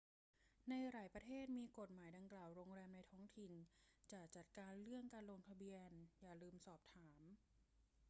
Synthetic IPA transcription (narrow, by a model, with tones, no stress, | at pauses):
na˧jɾaː˨˩jpɾa˧t̪ʰeː˥˩t̪̚miː˧ko˨˩t̪̚maː˩˦jda˧ŋklaː˨˩wɾoː˧ŋɾɛː˧mna˧jt̪ʰɔː˦˥˩ŋt̪ʰi˨˩nt͡ɕaː˨˩k̚t͡ɕa˨˩t̪̚kaː˧nɾɯ˥˩əŋkaː˧nlo˧ŋt̪ʰa˧bi˧ənjaː˨˩lɯː˧msɔː˨˩p̚t̪ʰaː˩˦m